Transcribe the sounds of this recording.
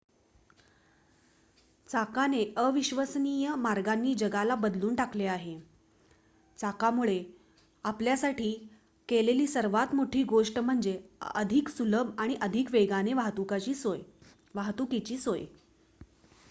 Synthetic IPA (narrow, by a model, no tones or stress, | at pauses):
t͡sakaneəʋiɕʋəsniːjəmaɾɡanːiːd͡ʑəɡalabəd̪luːnʈakleaɦe | t͡sakamuɭe | apljasaʈʰiː | keleliːsəɾʋat̪moʈʰiːɡoʂʈm̤əɳd͡ʑeə̰d̪ʱiksuləbaɽ̃iʔəd̪ʱikʋeɡaneʋaɦt̪ukat͡ɕiːsoj | ʋaɦt̪ukit͡ɕiːsoj